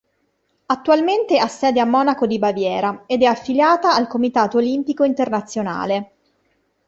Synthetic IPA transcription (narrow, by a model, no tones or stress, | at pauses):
at̪ːualment̪easːɛːd̪eamːɔːnakod̪ibavjɛːɾaed̪ɛafːiljaːt̪aːlkomit̪aːt̪oːlimpikoint̪ernat̪sːjona̰ːle